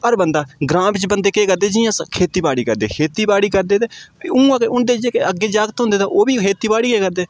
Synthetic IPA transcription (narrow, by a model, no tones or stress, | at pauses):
əɾbənd̪aːɡɾãːbt͡ʃbənd̪eːkeːkəɾd̪eːd͡ʒɪãːskʰeːt̪iːbaːɽiːkəɾd̪eːkʰeːt̪iːbaːɽiːkəɾd̪eːd̪eːũːãːkeʊnd̪eːd͡ʒeːkeəɡːeːd͡ʒaːɡət̪ɦʊ̃nd̪eːt̪aoːbiːkʰeːt̪iːbaːɽiːkeːkəɾd̪eː